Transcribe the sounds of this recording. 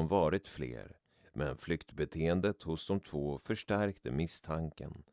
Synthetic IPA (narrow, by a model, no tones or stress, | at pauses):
mvɑːɾɪt̪flḛːɾ | mʔɛnflʏkt̪bɛt̪ʰeːənd̪ət̪hʊsd̪ɔmt̪ʰvoːfœʂʈæɾkt̪əmɪst̪ʰaŋkə̰n